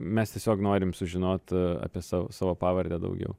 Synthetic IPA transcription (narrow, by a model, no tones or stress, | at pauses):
mʲɛst̪ʲiɛsʲoːknoːɾʲɪmsʊʒʲɪnoːt̪ɑ̰ːpʲiɛsɑːʋo̰sɑːʋoːpɑːʋɐɾʲd̪ʲæːd̪ɐ̰ʊɡʲɛ̰ʊ